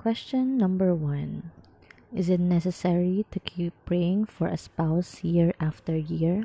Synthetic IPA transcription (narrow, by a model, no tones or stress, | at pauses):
kwɛst͡ʃə̃nːʌ̃mbəɹwʌ̃n | ɪzɪt̚nɛsəsɛɹitukʰipʰːɹeɪ̃ŋfɔɹʔə̰spaʊsjiɹaftəɹjiɹ